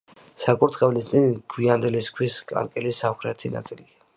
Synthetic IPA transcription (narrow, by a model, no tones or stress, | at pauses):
sakʼuɾt̪ʰχɛvlist̪sʼinɡ̥wiand̪ɛliskʰwiskʼa̰ɾkʼɛlisamχɾɛt̪ʰina̰t̪sʼilia